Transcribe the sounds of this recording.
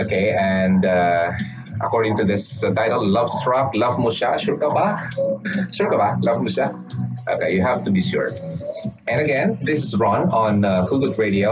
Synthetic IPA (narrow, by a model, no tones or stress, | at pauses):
okeɛ̃ndʌ | ʔə̰kɔɹɾɪ̃ŋtudɪstaɪtəllav̥stɹaklʌvmuʃa̰ʃuɹkapa | ʃuɹkapalavmuʃa | ʔo̰kejuɦɛftubiʃṵɹ | ʔɛ̃nəɡɛ̃nd̪ɪsɪsɹɔ̃nɔ̃nahuɡukɹeɾio